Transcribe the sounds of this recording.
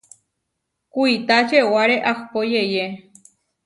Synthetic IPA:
kʷuit̪at͡ʃewaɾeʔaxpojeje

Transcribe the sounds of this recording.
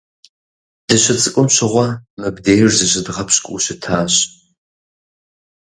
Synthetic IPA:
d̥ɨɕɪt͡sʼɨkʷʼʊmɕɪʁʷɐmɨbdeːjrzɨɕɪdʁɐpɕkʷʼuɕɪtʰaːɕ

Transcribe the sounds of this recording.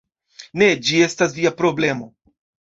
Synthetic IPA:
ne̞d͡ʒie̞stas̬viapɾo̞ble̞mo̞

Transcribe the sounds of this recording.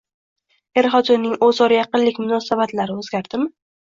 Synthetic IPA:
e̞ɾɦɒd͡ʒ̪ɒmnɪŋɵzɒɾjɑqɨnlːɪkʲmʊnɒsabat̪laɾɪɵzɡʲaɾd̪ɪm

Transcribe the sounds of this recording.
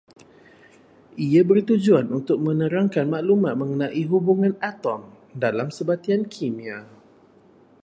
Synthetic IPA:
ʔiabərt̪ud͡ʒuanunt̪ʊk̚mə̃nəɾaŋkanmaʔlumat̪̚mə̃ŋənãʔiɦubuŋãnat̪ɔm | dalamsəbat̪iankʰimia

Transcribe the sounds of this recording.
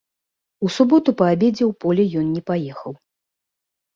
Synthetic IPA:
usubɔt̪upɐabʲed͡zʲɛwpɔlʲɛjɔnnʲɛpajɛxɐw

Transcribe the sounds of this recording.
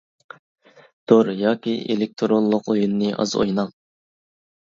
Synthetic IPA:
t̪ʰoɾjɑːkʲiḛlɪk̚t̪ʰɾonlˠʊqojunːɨʔɑ̰zo̰jnɑŋ

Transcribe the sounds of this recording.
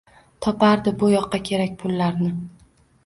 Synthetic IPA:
t̪ʰɒpaɾd̪ɪbʊjɒqʰːɑkʲʰe̞ɾak̚ʲpʰʊlːaɾnɪ

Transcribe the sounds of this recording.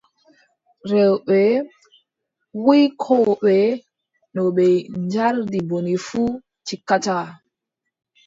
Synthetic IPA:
ɾɛwɓɛ | wijkʰoɓɛ | nɔɓɛnd͡ʒaɾdibonifu | t͡ʃikat͡ʃa

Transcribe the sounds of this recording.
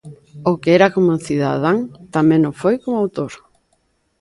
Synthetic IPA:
okeɛɾakomʊθiða̰ðaŋt̪amẽŋnofojkomʊawt̪oɾ

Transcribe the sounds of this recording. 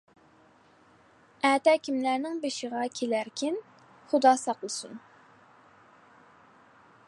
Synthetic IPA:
ɛːt̪ɛkʲimlæɾnɪŋbeʃɪʁɑkʲʰelæɾkʲʰin | χʊd̪ɑːsɑqlˠɨsun

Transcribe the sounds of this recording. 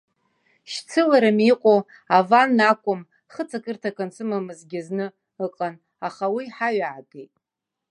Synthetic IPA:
ʃt͡sʰɨlaɾɨmiqʷʼo | avanːakʷʼʊm | χət͡sʰakʰʼɨrtʰakant͡sʰɨmamɨzɡʲɪznɨ | ɨqʼan | aχawiħaɥaʕakʼejtʼ

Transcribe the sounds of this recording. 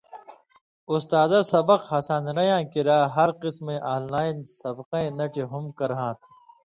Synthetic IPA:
ʊst̪aːzasɐbɐqhɐsaːnɾɐjãːkiɾaːɦɐɾqɪsmẽʔaːlːaːinsɐbqãẽnɐʈʰiɦʊmkɐɾɦãːt̪ʰ

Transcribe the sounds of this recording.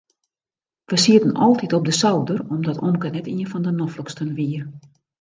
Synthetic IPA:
ʋəsiətənɔlˠtitɔp̚dəsawdərɔmdɔtomkənɛtiənfɔndənɔfləkstənʋiər

